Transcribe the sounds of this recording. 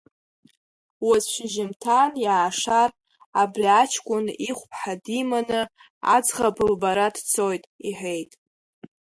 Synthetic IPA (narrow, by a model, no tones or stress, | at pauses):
wazʃʷɪʒɪmtʰanjaːʂar | abriat͡ʃʰkʷʼʊniχʷpʰħadimanɨ | a̰d͡zʁabɨlbaɾadt͡sʰo̞jtʼiħʷᶣe̞jtʼ